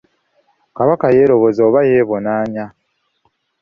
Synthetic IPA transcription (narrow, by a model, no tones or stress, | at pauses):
kaβakaje̞ːɾo̞βo̞zoːβaje̞ːβo̞naːɲa